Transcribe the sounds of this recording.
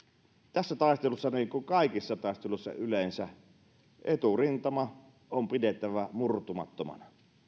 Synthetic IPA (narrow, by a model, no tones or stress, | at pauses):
t̪æsːæt̪ɑˑest̪elusːɑniːŋkuŋkɑˑeikisːɑt̪ɑˑest̪elusːɑ̰ylensæ | ʔet̪urint̪ɑmɑ | ʔompidet̪ːˑæʋæmurt̪umɑ̰t̪ːomɑ̰nɑ